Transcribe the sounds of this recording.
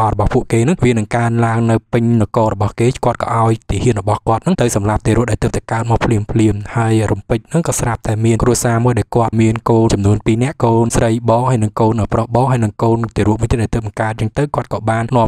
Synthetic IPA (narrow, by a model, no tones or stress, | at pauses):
ʔɑrɔɓɑhpuəʔkeːnɨŋʋiənɨŋkaənlaəŋnɨwpɨɲnɨkoːrɔɓɑhkeːkŏət̪̚kɑ̰ʔaɔjt̪iəhiənrɔɓɑhkŏət̪̚nɨŋt̪ɨwsɑmlap̚t̪eːɾuəʔ̚ɗaɛlt̪ɨːp̚t̪ɛkaət̪̚maːwpʰliəmpʰliəmhaəjrumpɨc̚nɨŋkɑːsrap̚t̪aɛmiənkruəsaːmuəjɗaɛlkŏət̪̚miənkoːnt͡ɕɑmnuənpiːnɛ̆əʔkoːnsrəjɓɑːŋhajnɨŋkoːnʔəːprohɓɑːŋhɦaəjnɨŋkoːnt̪eːɾuəmuːəjt̪iːaɛt̪ɨəːp̚ɓɑŋkaət̪̚t͡ɕaəŋt̪ɨwkŏət̪̚kɑːɓaːnnŏəm